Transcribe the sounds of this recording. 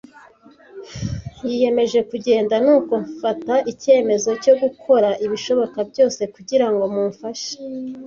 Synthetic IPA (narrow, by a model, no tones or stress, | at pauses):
jije̞me̞ʒe̞kuɟe̞ːndanuːko̞ɱfataʔice̞ːme̞zo̞co̞ɡukʰo̞ɾaʔiβiʃo̞βo̞kabjo̞ːse̞kuɟiɾaŋɡo̞muːɱfaʃe̥